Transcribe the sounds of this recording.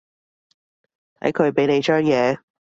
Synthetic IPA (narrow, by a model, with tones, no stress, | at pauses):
t̪ʰɐ̰˨˥jkʰɵ˨˧ɥpe˨˥jne˨˧jt͡ʃœː˥ŋjɛː˨˧